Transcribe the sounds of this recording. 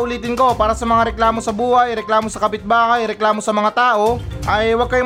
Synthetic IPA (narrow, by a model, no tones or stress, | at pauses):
ʔʊliːt̪ɪnko̞paːɾɐsɐmɐŋaɾɛklaːmo̞sɐbuːhɐjɾɛklaːmo̞sɐkɐpɪt̪̚baːhɐjɾɛklaːmo̞sɐmɐŋat̪aːʔo̞ʔɐjwɐɡ̚kɐjo